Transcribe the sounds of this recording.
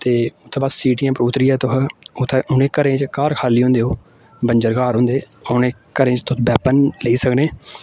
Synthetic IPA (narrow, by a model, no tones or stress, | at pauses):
t̪eːʊt̪ʰːeːbassiːʈiːjãːpɾuːt̪ɾiːɛːt̪ʊɦʊt̪ʰːeʔʊneːkəɾẽːt͡ʃkaːɾkʰaːliːɦõːnd̪eːoː | bəɲd͡ʒəɾkaːɾɦʊ̃ːnd̪eː | onẽːkəɾẽːt͡ʃt̪ʊbɛːpənləiːsəkneː